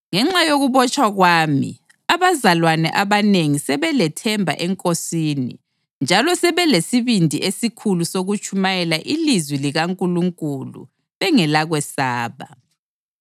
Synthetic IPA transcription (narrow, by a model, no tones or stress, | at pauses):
ŋɛŋ͡ǁajoɣuβɔt͡ʃʼwaɣwaːmḭ | aβazalwanɛ̰ʔaβaneŋisɛβɛlɛtʰɛmbʱa̰ʔɛŋkʼosiːnḭ | nd͡ʒʱalɔsɛβɛlesiβindʱiʔesikʰulusoɣut͡ʃʰʼumajɛlaʔilizwiliɣaŋkʼuluŋkʼulṵ | βɛŋɛlaɣwɛsaːβa